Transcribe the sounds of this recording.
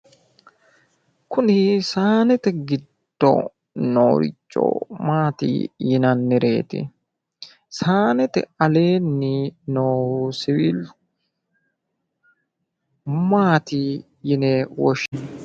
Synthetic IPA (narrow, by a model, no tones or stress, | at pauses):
kʊnɪsaːnɛt̪ɛɡɪd̪ːɔ̰ | no̰ːɾɪ̰t͡ʃʼːo̰maːt̪ḭːjɪnɐnːɪɾe̞̰ːt̪ɪ̰ | saːnɛt̪ɛ̰ɐle̞ːnːɪnoːsɪwil | maːt̪i | jɪnɛwɔʃ